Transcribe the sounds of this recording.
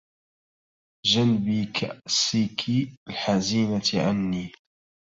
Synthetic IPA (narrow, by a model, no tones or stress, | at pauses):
ʒanbiːkʰa̰ʔsiːkʰialħaziːnat̪ʕa̰nːiː